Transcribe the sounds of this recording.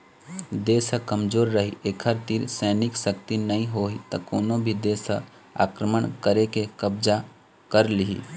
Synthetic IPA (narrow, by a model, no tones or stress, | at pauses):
d̪eːsəkəmd͡ʒoːɾːəɦiʔeːkʰəɾt̪iɾsɛːnɪksək̚t̪inɐɦĩɦoɦit̪ɐkoːnõbʱid̪eːsɦə | a̰ːkɾəməɳkəɾekekəb̚d͡ʒa | kəɾliɦḭ